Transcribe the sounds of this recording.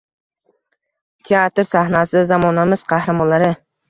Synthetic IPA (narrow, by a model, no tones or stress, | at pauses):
t̪ʰeat̪ɾsahnasɪzamɒnamɪz̥qʰɑhɾɪmɒnlːaɾɪ